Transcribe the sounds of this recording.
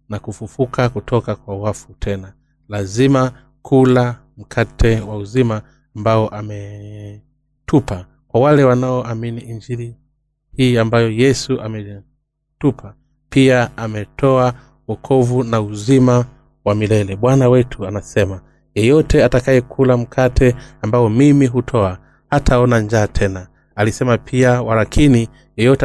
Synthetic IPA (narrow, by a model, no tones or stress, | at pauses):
nakufufukʰakutʰɔkakwawafutʰɛna | lazima | kʰula | m̩kʰatʰɛwauzimaː | mbaɔʔamɛ | tʰupa | kwawalɛwanaɔʔaminiind͡ʒiɾi | hiːambajɔjɛsuʔamɛ | tupʰa | piaamɛtʰɔa | wɔkʰɔvunauzima | wamilɛlɛɓwanawɛtʰuanasɛma | jɛjɔtɛatakajɛkʰulam̩kʰatʰɛambaɔmimiɦutʰɔa | hatʰaɔnand͡ʒaːtʰɛna | alisɛmapʰiawaɾakʰini | jɛjɔtɛ